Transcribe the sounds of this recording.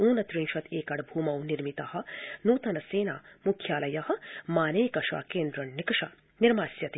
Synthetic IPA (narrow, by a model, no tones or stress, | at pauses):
uːnɐt̪ɾiŋʃɐt̪ʰeːkɐɽbʱuːmɐwniɾmit̪ɐhɐ̆nuːt̪ɐnɐseːna̰ːmukʰjaːlɐjɐhɐ̆maːneːkɐʂɐ̰keːnd̪ɾɐnnikɐʃɐ̰ | niɾmaːsjɐt̪